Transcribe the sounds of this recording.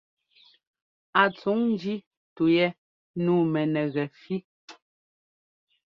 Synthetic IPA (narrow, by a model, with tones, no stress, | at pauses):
a˨t͡su˨˦ŋn˦d͡ʒi˦ | tu˨jɛ˦ | nuː˦˨mɛ˨nɛ˨ɣɛ˨fi˦